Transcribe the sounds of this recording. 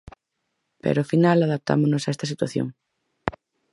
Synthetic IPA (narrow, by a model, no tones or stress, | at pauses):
pḛɾofinalaðap̚t̪a̰monosaest̪ɐs̬it̪waθjo̰ŋ